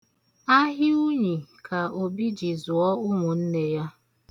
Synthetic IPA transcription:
a˦ɦɪ˦u˦ɲi˨kʰa˨o˨bi˦d͡ʒi˨zʊ˨ɔ˦ʊ˦ŋʊ˨n̩˦ne˦ja˦

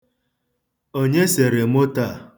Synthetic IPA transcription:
o˦ɲe˦se˨ɾe˨mo˦ta˦˨

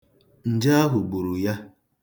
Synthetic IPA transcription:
n̩˨d͡ʒa˦a˦ɦʊ˨ɡ͡bu˨ɾu˨ja˦

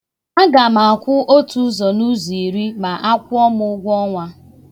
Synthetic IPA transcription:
a˦ɡa˨ma˨a˨kʷʊ˦ʔo˦tu˦zɔ˨nu˦zi˨ɾi˦ma˨ʔa˦kʷʊ˦ɔ˦mʊ˦ʊ˦ɡʷɔ˦ŋʷa˦

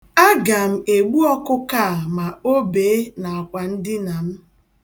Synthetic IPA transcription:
a˦ɡa˨m̩˦e˨ɡ͡bu˦ɔ˦kʊ˦ka˦˨ma˨o˦be˨˦na˨a˨kʷa˨n̩˦dɪ˦na˨m̩˦

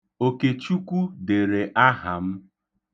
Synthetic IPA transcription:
o˨ke˨t͡ʃu˦kʷu˦de˨ɾe˨ʔa˦ɦa˨m̩˦

